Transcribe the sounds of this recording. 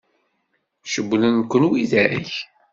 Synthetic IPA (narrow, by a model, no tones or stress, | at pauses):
ʃəbːlənkʷːənwiðæɾəç